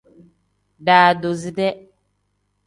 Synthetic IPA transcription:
daː˨do˨zi˦dɛ˦

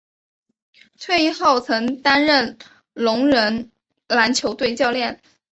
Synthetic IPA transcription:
t͡sʰwe˥˧ɪi˥˧xo˥˩ʊt͡sʰɤ˧˥ŋt̪a˥nɻə˥˩n | lʊ˧˥ŋɻə˧˥n | la˧˥nt͡ɕʰjo˧˥ʊt̪we˥˧ɪt͡ɕjɑ˥˧ʊljɛ˥˩n

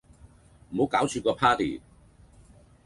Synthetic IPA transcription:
m̩˨˩ho˨˧wkaː˨˥wt͡ʃʰyː˨˧kɔː˧pʰaː˥t̪ḭː˨˩

